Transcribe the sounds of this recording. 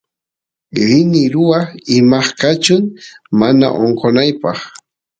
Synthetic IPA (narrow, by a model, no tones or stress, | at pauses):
ɾɪnɪɾʊwaɪmɑχkat͡ʃʊŋmana̰ʔoɴqonajpɑχ